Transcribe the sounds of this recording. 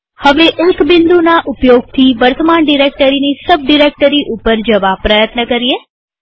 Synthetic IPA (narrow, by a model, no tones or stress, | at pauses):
həʋeʔekbɪnd̪unaʔʊpjoɡ̚t̪ʰiʋəɾt̪ʰəmaɳɖiɾek̚ʈəɾinisəb̚ɖiɾek̚ʈəɾiʔupəɾd͡ʒəʋapɾəjət̪nəkəɾie